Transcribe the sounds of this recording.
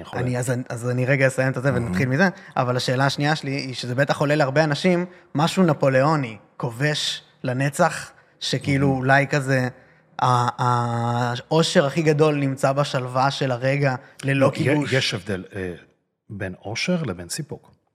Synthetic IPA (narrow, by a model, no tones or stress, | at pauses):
a̰niazanazaniʁe̞ɡajesajemt̪azevenat̪χilmizea̰valaʃe̞ːlaːʃniaʃeliːʃezebet̪aχo̞le̞leaʁbeanaʃimː | aʃunapo̞le̞o̞ni | ko̞ve̞ʃ | lane̞t͡saχ | ʃe̞kiiluːlajkaze̞ | aː | o̞ʃe̞ʁaχiɡado̞lnimt͡sabaʃalvaʃelaʁe̞ɡale̞lokiuʃjeʃevd̪ele | beno̞ʃeʁlebensipuk